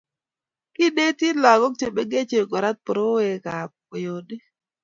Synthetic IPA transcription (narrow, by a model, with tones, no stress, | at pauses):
kɪ˦de˦ti˦la˨ɡɔ˦k̚te˦be˦ɡe˦t͡ʃe˨ɡɔ˨ɾa˦t̪̚pɾo˦we˨ka˨ | o˨jo˨de˦